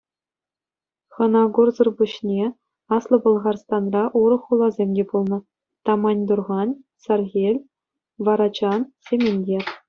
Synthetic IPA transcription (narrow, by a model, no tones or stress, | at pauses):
χɤ̆nɑɡurzɤ̆rbuɕnʲe | ɑslˠɤ̆bɤ̆lˠʁɑrst̪ɑnrɑʔuɾɤ̆χːulˠɑzʲemʲdʲepulˠnɤ̆ | t̪ɑmɑnʲd̪urʁɑn | sɑrɣʲelʲ | ʋɑɾɑt͡ɕɑnsʲemʲenʲdʲerʲ